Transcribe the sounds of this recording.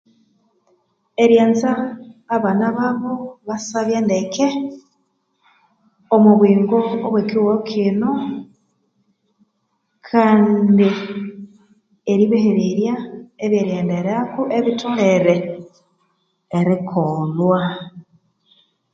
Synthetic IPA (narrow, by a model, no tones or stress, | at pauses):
eɾjeːnzaːβanaβaβoβasaβjeːndekʰe | omuβwiːŋɡoːβwekiwokʰino | kʰaːndi | eɾiβeheɾiɾjaeβjeɾjeːndeɾakuʔeβitʰoleɾe | eɾikʰolwa